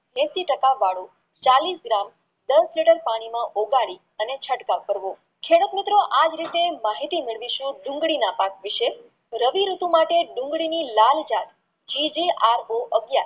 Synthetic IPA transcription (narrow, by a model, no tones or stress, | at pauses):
bʱesiʈəkaʋaɽo | t͡ʃalisɡɾam | d̪əsliʈəɾpaɽ̃imãʔoɡaɭi | ənet͡ʃʰəʈkakəɾʋo | kʰeɽut̪mɪt̪ɾoʔad͡ʒɾit̪emaɦit̪imɪɭʋiʃũɖʊ̃ŋɡɭinapakʋɪʃe | ɾəʋiɾut̪ũmaʈeɖʊ̃ŋɡɭinilald͡ʒad̪ | d͡ʒid͡ʒeʔaɾoʔəɡja